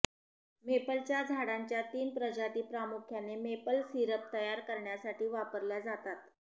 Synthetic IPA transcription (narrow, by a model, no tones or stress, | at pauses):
mepəlt͡ɕjad͡zʱaɽaɲt͡ɕjat̪iːnpɾəd͡ʑat̪iːpɾamukʰjanemepəlsiɾəp̚t̪əjaɾkəɾɳjasaʈʰiːʋapəɾljad͡zat̪at̪